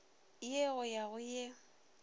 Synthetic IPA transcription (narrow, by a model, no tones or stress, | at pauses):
jeɣʊjaɣʊje